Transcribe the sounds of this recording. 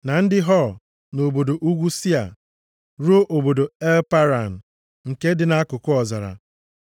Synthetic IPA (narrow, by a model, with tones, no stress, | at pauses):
na˨n̩˦dɪ˦ɦɔ˦˨ | no˨bo˨do˨ʔu˦ɡʷu˦si˦a̰˨ | ɾo˦ʔo˨bo˨do˨e˦lpa˦ɾa˨n̩˨ | ŋ̩˨ke˦dɪ˨na˦a˦kʊ˨kʊ˦ɔ˨za̰˨ɾa̰˨